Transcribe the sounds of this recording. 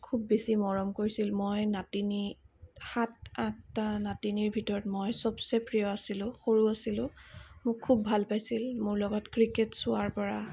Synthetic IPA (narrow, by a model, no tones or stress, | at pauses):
kʰubːisimɔɹɔmkoɹisilmojnatinixatãk̚tanatiniɹbʱitɔɹɔtmojsɔbsepɹijɔasilʊ̃xoɹuasilʊ̃mʊkʰːubːʱalpajsilmʊɹlɔɡɔtkɹiketsʊaɹpɔɹa